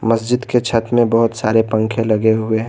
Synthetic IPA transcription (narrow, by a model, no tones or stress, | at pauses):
məsd͡ʒɪd̪ket͡ʃʰɐt̪mẽbɐɦʊt̪saːɾepə̃ŋkʰẽlɐɡeɦʊeɦ